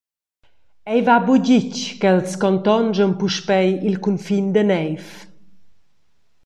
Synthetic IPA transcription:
ɛjvabuɟickɛlskɔnt̪ɔnd͡ʒɔnpuʃpɛjilkunfind̪ənɛjf

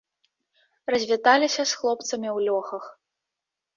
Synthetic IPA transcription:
rɐzʲvʲit̪alʲisʲɐsxlˠɔpt̪sɐmʲiwlʲɔxɐx

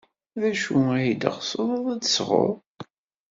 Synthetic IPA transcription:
ðæʃuæjd̪ə̰ʁsoðˤɑðˤæd̪sʁo̰ˤ

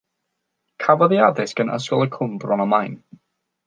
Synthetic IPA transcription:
kʰavɔðiadɪsɡ̥ənə̰skɔlˠəkʰʊmbrɔnamajn

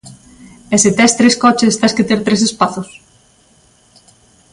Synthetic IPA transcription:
eset̪ɛst̪ɾeskɔt͡ʃest̪asket̪eɾt̪ɾesespaθʊs

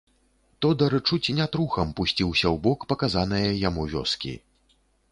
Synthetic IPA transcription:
t̪ɔd̪ɐɾɨt͡ʂut͡sʲnʲat̪ɾuxɐmpusʲt͡sʲiwsʲɐwbɔkpɐkazanɨjɐjamuvʲɔ̰skʲḭ

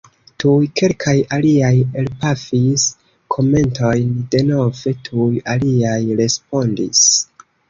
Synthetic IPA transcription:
tujke̞lkʰajaliajelpafis | kʰo̞me̞nto̞jnde̞no̞ve̞tʰujaliajɾe̞spo̞ndis

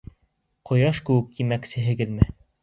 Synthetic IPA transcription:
qŏjɑʃkɘ̆wɘk̚t̪imæksɘ̆ɦɘ̆ɡɘðmɘ

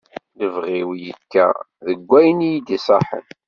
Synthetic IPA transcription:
ləvʁiwjəkːæ̰ | ðəɡʷːæjnijd̪isˤɑħə̰n

